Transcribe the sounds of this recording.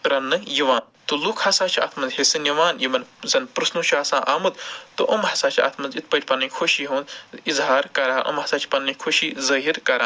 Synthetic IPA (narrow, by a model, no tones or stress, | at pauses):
ɾɐnːɨjiʋaːn | t̪ulukʰhɐsaːt͡ʃʰiɐ̰t̪ʰmɐnzɦesɨniʋaːnjimɐnzɐnpɾɨsnut͡ʃʰuɦɐsãːʔaːmɐt̪t̪oʔɐmhɐsaːt͡ʃʰiɐ̰t̪ʰmɐnzit̪̚ʰpɐʈʲpɐnɐnʲkʰoʃiːɦũːnd̪izɦaːɾkɐɾaːʔɐ̰mɦɐsaːt͡ʃʰi̥pɐnːɐkʰoʃiːzɐɦiɾkɐɾaː